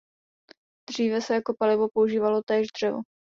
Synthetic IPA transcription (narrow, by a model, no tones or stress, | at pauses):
d̪r̝iːvɛsɛjakopalɪvo̞pouʒiːvalo̞t̪ɛːʒd̪r̝̥ɛvo̰